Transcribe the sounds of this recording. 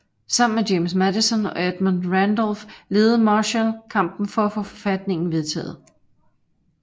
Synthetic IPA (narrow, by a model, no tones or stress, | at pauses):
sɑ̈m̰n̩me̥jemsmædisɔnɒ̽æd̥mondʁænd̥ɒlfle̝ːð̩ˠmɑɕənkʰɑ̈m̰b̥n̩fɒ̽æfo̽fɒ̥̽fæd̥ne̝ŋn̩ʋe̝ð̞ˠt͡sʰɛ̰ːð̞̩ˠ